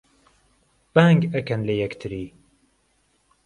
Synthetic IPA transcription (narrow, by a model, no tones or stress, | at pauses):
b̥aŋɡɐkɐnlɐjɛkt̪ʰɨɾiː